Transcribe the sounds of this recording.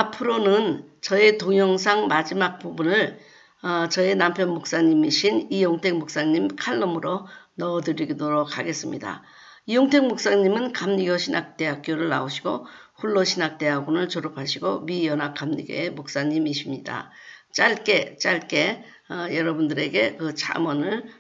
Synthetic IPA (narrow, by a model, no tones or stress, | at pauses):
apʰɯɾonɯnt͡ɕʌe̞toŋjʌŋsʰaŋmad͡ʑimak̚p͈ubunɯɭ | t͡ɕʌe̞nampʰjʌnmok̚s͈aɲimiɕʰinijʌŋtʰe̞kmok̚s͈aŋɲimkʰaɭːomɯɾo | nʌːdɯɾiɡidoɾokʰaɡe̞s͈ɯmɲḭda̰ | ijʌŋtʰeŋmok̚s͈aŋɲimɯnkamɲiɡjʌɕʰinak̚t͈e̞ɦak̚k͈joɾɯɭːa̰uɕʰiɡo | ɸuɭːoɕʰinak̚t͈e̞ɦaɡunɯɭt͡ɕoɾopʰaɕʰiɡomijʌnak̚k͈amɲḭɡjo̰emok̚s͈aɲimiɕʰimɲida̰ | t͡ɕ͈aɭk͈e̞t͡ɕ͈aɭk͈e̞ | jʌɾʌbundɯɾe̞ɡe̞kɯt͡ɕa̰mʌnɯɭ